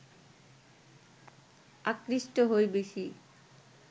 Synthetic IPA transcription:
akɾiʃʈoɦojbeʃi

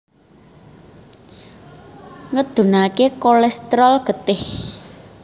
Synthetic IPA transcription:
ŋəd̪̥ṳnakekolɛst̪ɾɔlɡ̥ə̤t̪ɪh

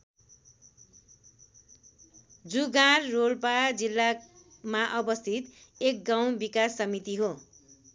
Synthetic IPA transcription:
d͡zuɡaɾːolpad͡zilːa | maʔʌbʌst̪ʰit̪ek̚ɡãw̃bikasːʌmit̪iɦo

